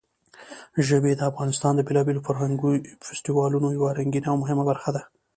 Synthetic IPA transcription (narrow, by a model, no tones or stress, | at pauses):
ʒəbed̪əafɣɑnɪst̪ɑnd̪əbelɑbelofaɾɦaŋɡufɪsʈiwɑlunojawaɾaŋɡinawmʊɦɪmabaɾxad̪a